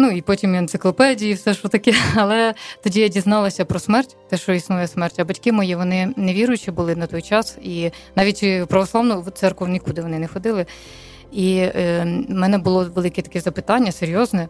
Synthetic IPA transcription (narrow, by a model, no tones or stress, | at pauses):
nuipɔtʲimiɐnt̪sɪklˠɔpɛdʲijiwsɛʃɔt̪ɐkɛɐlˠɛt̪ɔdʲijadʲiznɑlˠɐsʲɐpɾɔsmɛrtʲt̪ɛʃt͡ʃɔisnujɐsmɛrtʲɐbɐtʲkɪmɔjiʋɔnɪneʋʲiɾʊjʊt͡ʃibʊlˠɪnɐt̪ɔjt͡ʃɑsi | nɑʋʲitʲpɾɐʋɔslˠɑʋnʊt̪sɛrkɔwnʲikud̪ɪʋɔnɪnɛxɔd̪ɪlˠɪ | i | mɛnɛbʊlˠɔʋelˠɪkɛt̪ɐ̥kʲɛzɐpɪt̪ɑnʲːɐseɾʲjɔznɛ